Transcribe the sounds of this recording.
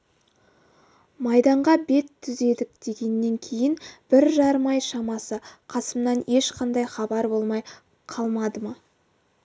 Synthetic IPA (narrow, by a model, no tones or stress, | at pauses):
mɑjd̪ɑɴʁɑbe̞t̪ʰːʏze̞d̪ɪkd̪̥e̞ɡʲe̞nːe̞ŋkʲʰe̞jɪnb̥ɪɾʒɑɾəmɑjʃɑmɑsəqʰɑsəmnɑne̞ʃqʰɑnd̪ɑjχɑbɑɾbo̞lˠmɑj | qʰɑlˠmɑd̪əmɑ